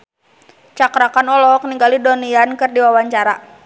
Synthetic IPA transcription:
t͡ʃakɾakanɔlɔkniŋɡalidɔniankɨrdiwawaɲt͡ʃaɾa

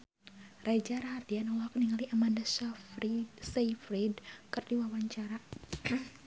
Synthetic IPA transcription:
rʔad͡ʒaɾahat̪ianɔlakniŋaliʔamandasafisaifɾidkɨrdiwawaɲt͡ʃaɾa

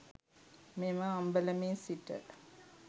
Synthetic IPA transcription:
memaambələmeːsiʈə̰

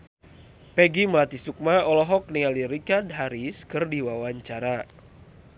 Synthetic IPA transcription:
pɛɡiməlat̪isuk̚maɔlɔɦɔk̚niŋaliɾikadɦaɾiskɨrdiwawaɲt͡ʃaɾa

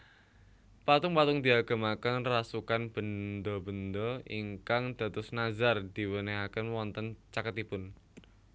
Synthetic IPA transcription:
pat̪ʊŋpat̪ʊŋd̪i̤aɡ̥a̤makənrasukanb̥ə̤nd̪ɔbə̤nd̪ɔḭŋkaŋd̪̥ä̤t̪ʊsnazard̪̥i̤wəneɦakənwɔnt̪ənt͡ʃakət̪ipʊn

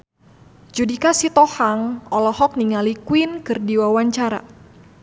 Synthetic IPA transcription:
d͡ʒudikasit̪ɔhaŋɔlɔhɔk̚niŋalikwinkɨrdiwawaɲt͡ʃaɾa̰

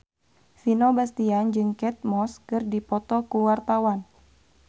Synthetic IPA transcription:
finobast̪iand͡ʒɨŋkɛt̪̚mɔskɨrdipɔt̪ɔkuwart̪awan

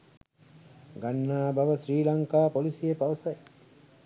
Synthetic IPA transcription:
ɡanːaːbɐʋəsɾiːlɐŋkaːpolisijepaʋɐsɐj

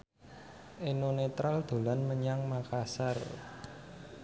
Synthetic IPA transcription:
ʔenonet̪ɾald̪̥o̤lanməɲaŋmakasar

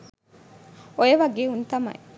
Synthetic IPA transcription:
ojeʋɐɡeːunt̪ɐmɐ̰e

